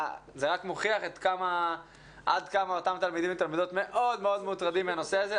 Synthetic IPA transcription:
zeʁakmoχiaχet̪kama | ʔa̰d̪kamao̞t̪amt̪almid̪imet̪almid̪o̞t̪me̞ʔo̞d̪me̞o̞d̪meutʁad̪imiano̞seaze

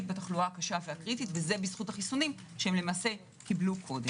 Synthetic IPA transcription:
t̚bataχluaakaʃaveakʁititveze̞bisχutaχisunimʃehemlemaːse̞ | kiblukʰo̞de

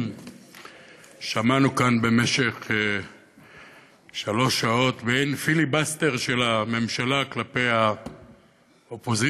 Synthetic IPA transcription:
ʃamanukanbe̞me̞ʃe̞χ | ʃalo̞ʃao̞t̪bejnfilibast̪e̞ʁʃe̞lame̞mʃalaklape̞jha | opo̞zi

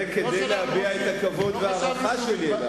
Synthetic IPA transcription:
eked̪ejlehaviaet̪akavo̞d̪veaʁaχaʃeliela

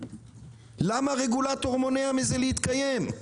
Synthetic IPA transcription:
lamaʁe̞ɡulat̪oʁmo̞neamizelehit̪kaje̞m

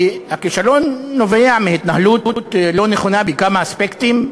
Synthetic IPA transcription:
hakiʃalo̞nːo̞veamehit̪nahlutut̪lo̞neχonabekamaːspekt̪im

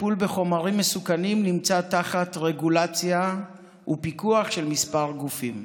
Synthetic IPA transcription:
pulbe̞χo̞maʁimːesukanimnimt͡sataχatʁe̞ɡulat͡sja | upikuaχʃe̞lmispaʁɡufim

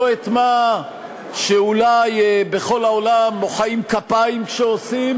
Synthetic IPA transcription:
et̪ma | ʃeulajbeχo̞laolamːoχaimkapaimkʃeosim

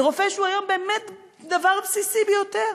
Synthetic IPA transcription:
ʁofeʃuajo̞mbeːmet | d̪avaʁpsisibəjot̪eʁ

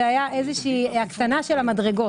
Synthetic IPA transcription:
ajaʔe̞zeʃiːakt̪anaʃe̞lamadʁe̞ɡo̞

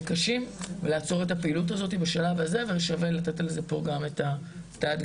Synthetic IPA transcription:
kaʃimvelaːt͡so̞ʁe̞t̬apeilut̬azo̞t̬ibaʃalavaze̞velʃave̞lat̪etalezepo̞ɡameta | taad

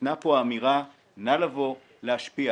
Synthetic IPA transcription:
napoaːmiʁa | nalavo | lehaʃpia

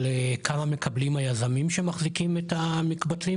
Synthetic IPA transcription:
lekʰamame̞kablimajazamimʃemaχzikimetamikbatli

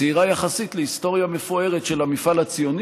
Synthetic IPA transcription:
iʁajaχasit̪lehist̪o̞ʁjamefoe̞ʁetʃelhamifalat͡sijo̞n

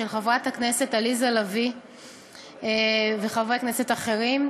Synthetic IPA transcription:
elχavʁat̪haknese̞talizalavi | eveχavʁaknese̞taχe̞ʁim

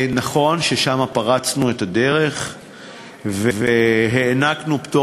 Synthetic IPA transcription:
naχo̞nʃeʃamapaʁat͡snuetade̞ʁe̞χ | veveɦeːnaknupto

